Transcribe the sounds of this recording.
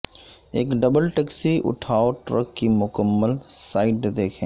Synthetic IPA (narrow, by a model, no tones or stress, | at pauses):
eːkɖɐbəlʈɛːksiʔʊ̰ʈʰaːoʈɾə̰kːimʊkəmːəlsaːɪʈd̪eːkʰẽː